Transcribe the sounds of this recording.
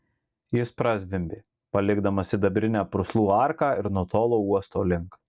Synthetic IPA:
jɪspɾɐsʲʋʲɪmʲbʲeː | pɐlʲɪɡd̪ɐmɐsʲɪd̪ɐbʲɾʲɪnʲæːpɾʊslˠuːɑˑɾkɑːɪɾnuɔt̪oːlˠoːuɔst̪oːlʲɪŋk

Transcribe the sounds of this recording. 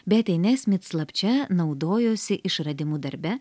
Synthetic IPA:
bʲɛt̪ʲɛɪnʲɛsʲmʲɪt̪slˠɐpʲt͡ʃʲɛnɒʊd̪oːjoːsʲɪʔɪʃɾɐd̪ʲɪmuːd̪ɐɾʲbʲɛ

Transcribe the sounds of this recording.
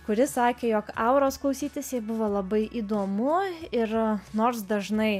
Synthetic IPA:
kʊɾʲɪsɑːkʲeːjoːkɐʊɾoːsklˠɐʊsʲiːt̪ʲɪsʲɛbʊʋoːlˠɐbɐɪʔiːd̪oːmʊɪrnoːɾsd̪ɐʒnɐɪ

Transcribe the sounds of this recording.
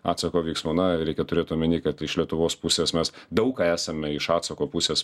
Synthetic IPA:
ɑːt̪sɐkoːʋʲiɪːksmonɐɾʲɛɪkʲɛt̪ʊɾʲeːt̪nuːmʲɪnʲiːkɐt̪ɪʃlʲiɛt̪ʊʋoːspʊsʲeːsmʲɛsd̪ɐʊkkɑːæːsɐmʲɛɪʃɑːt̪sɐkoːpʊsʲeːs

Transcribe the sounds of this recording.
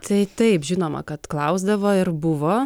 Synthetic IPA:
t̪ʰɐɪt̪ɐɪpʒʲɪnoːmɐ̰kɐt̪klˠɐʊzd̪ɐʋoːɪɾbʊʋoː

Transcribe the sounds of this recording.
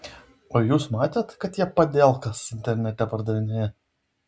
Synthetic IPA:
oːjuːsmɑːt̪ʲeːt̪kɐt̪jiɛpɐd̪ʲɛˑlˠkɐsɪnʲt̪ʲɛɾʲnʲɛt̪ʲɛpɐɾd̪ɐʋʲɪnʲɪjɛ

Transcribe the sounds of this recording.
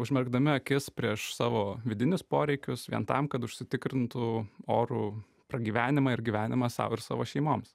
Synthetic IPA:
ʊʒʲmʲɛɾɡd̪ɐmʲɪɐkʲɪspʲɾʲiɛʃsɑːʋoːʋʲɪd̪ʲɪnʲʊspoːɾʲɛɪkʲʊsʋʲḭɛnt̪ɐmkɐt̪ʊʃʲsʲɪt̪ʲɪkɾʲɪnt̪ʊoːɾuː | pɾɐɡʲiːʋʲæːnʲɪmɐɪɾɡʲiːʋʲæːnʲɪmɐsɑ̰ːʋɪɾsɑ̰ːʋoːʃʲɛɪmoːms

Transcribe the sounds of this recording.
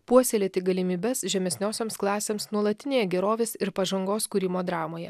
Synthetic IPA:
puɔsʲelʲeːt̪ʲɪɡɐlʲɪmʲiːbʲɛsʒʲɛmʲɛsʲnʲoːsʲoːmsklˠɑːsʲeːmsnuɔlˠɐt̪ʲɪnʲeːjɛɡʲɛɾoːʋʲeːsɪɾpɐʒɐŋɡoːskuːɾʲɪmoːd̪ɾɑːmoːjɛ

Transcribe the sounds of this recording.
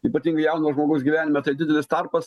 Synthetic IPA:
iːpɐt̪ʲiːŋɡɐɪjɛʊnoʒmoːɡɐʊsɡʲiʋʲæːnʲɪmʲɛt̪ɐɪd̪ʲɪd̪ʲɛlʲɪst̪ɐrpɐs

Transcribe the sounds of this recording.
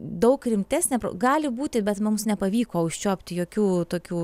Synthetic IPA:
d̪ɐʊkrʲɪmʲt̪ʲæːsʲnʲɛpɾo̰ɡɑːlʲɪbuːt̪ʲɪbʲɛt̪mʊmsnʲɛpɐʋʲiːkoːʊʃʲt͡ʃʲoːpʲt̪ʲɪjoːkʲuːt̪oːkʲuː

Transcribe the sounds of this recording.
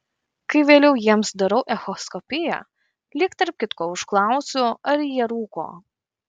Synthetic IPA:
kɐɪʋʲeːlʲɛʊjiɛmsd̪ɐɾɐʊʔɛxɔskɔpʲɪjɛ̰ | lʲɪkt̪ɐɾp̚kʲɪt̪koːʊʃklˠɑˑʊsʲʊɐɾjiɛɾuːko̰ː

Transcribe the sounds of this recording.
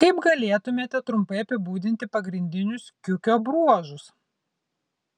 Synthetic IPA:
kɐɪpɡɐlʲeːt̪ʊmʲeːt̪ʲɛt̪ɾʊmpɐɪɐpʲɪbuːd̪ʲɪnʲt̪ʲɪpɐɡɾʲɪnʲd̪ʲɪnʲʊskʲʊkʲoːbɾuɔʒʊs

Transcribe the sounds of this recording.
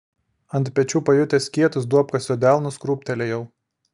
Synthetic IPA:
ɐnt̪ʲpʲɛt͡ʃʲuːpɐjʊt̪ʲɛsʲkʲiɛt̪ʊs̬d̪uɔpkɐsʲjod̪ʲæˑlˠnʊskɾuːpʲt̪ʲɛlʲɛjɛʊ

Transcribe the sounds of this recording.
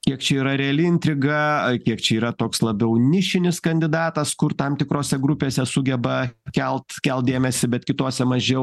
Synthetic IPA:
kʲiɛkt͡ʃʲɛiːɾɐɾʲɛɐlʲɪɪnʲt̪ʲɾʲɪɡɐkʲiɛkt͡ʃʲɛiːɾɐt̪oːkslˠɐbʲɛʊnʲɪʃʲɪnʲɪskɐnʲd̪ʲɪd̪ɑːt̪ɐskʊrt̪ɐmt̪ʲɪkɾoːsʲɛɡɾʊpʲeːsʲɛsʊɡʲɛbɐkʲɛlˠt̪kʲɛlˠt̪̚d̪eːmʲɛsʲɪbʲɛt̪kʲɪt̪oːsʲɛmɐʒʲɛʊ

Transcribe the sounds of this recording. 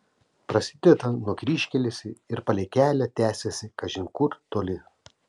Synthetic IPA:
pɾɐsʲɪd̪ʲet̪ɐnuɔkɾʲiːʃʲkʲɛlʲɪsʲɪɪɾpɐlʲɛɪkʲæːlʲɛt̪ʲæːsʲesʲɪkɐʒʲɪŋkʊɾt̪oːlʲɪ

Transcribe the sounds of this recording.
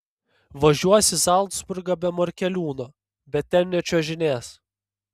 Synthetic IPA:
ʋɐʒʲuɔsʲɪzɑˑlˠd̪sbʊɾɡɑbʲɛmɔɾʲkʲɛlʲuːnoː | bʲɛt̪̚ʲtʲɛnʲɛt͡ʃʲoːʒʲɪnʲeːs

